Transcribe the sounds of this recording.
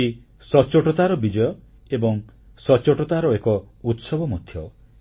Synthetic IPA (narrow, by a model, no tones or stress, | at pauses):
i | sɔt͡ʃɔʈɔt̪aɾɔbid͡ʒɔjɔ | ebɔŋ | sɔt͡ʃɔʈɔt̪aɾɔekɔ | ut̪sɔbɔmɔd̪ʱjɔ